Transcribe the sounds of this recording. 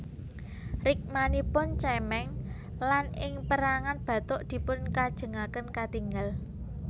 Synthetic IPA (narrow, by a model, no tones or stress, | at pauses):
rɪk̚manipʊnt͡ʃɛmɛŋ | lanɪŋpəɾaŋanb̥ä̤t̪ʊʔd̪̥i̤pʊnkad̥ʒ̥ə̤ŋakənkat̪iŋɡal